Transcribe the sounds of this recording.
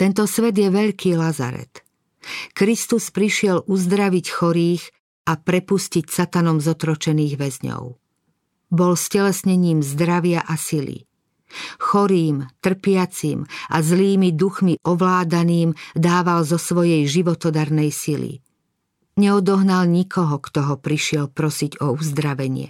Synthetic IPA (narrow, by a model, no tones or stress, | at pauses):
t̪ɛnt̪ɔsʋɛd̪jɛʋɛʎkʰiːlaza̰ɾɛ̰t̪ | kɾist̪uspɾiʃɪɛluzd̪ɾaʋicxɔɾiːx | apɾɛpuscicsat̪anɔmzɔt̪ɾɔt͡ʃɛniːɣʋɛzɲɔ̰ʊ | bɔlscɛlɛsɲɛɲiːmzd̪ɾaʋɪaʔasilḭ | xɔɾiːmt̪r̩pɪat͡sḭːmʔa̰zliːmid̪uxmiʔɔʋlaːd̪aniːmd̪aːʋalzɔsʋɔjɛjʒiʋɔt̪ɔd̪aɾnɛjsilḭ | ɲɛɔd̪ɔɦnalɲikʰɔɦɔkt̪ɔɦɔpɾiʃɪɛlpɾɔsiɟɔuzd̪ɾaʋɛɲɪɛ̰